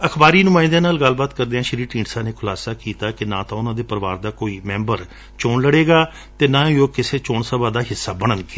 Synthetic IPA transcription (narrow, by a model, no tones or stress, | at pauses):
əkʰbaːɾiːnʊmaːɪ̃nd̪ãːnaːlɡəlːbaːt̪kəɾd̪eːãːʃəɾiːʈĩːɳɖsãːneːkʰʊlaːsaːkiːt̪aːkɪnãːt̪ãːʊnãːd̪eːpəɾəʋaːɾd̪aːkoːiːmɛ̃ːmbəɾ | t͡ʃoːɳləɽeːɡaː | t̪eːnãːoːkɪseːt͡ʃoːɳsəbaːd̪aːɦɪsːaːbəɽ̃ənɡe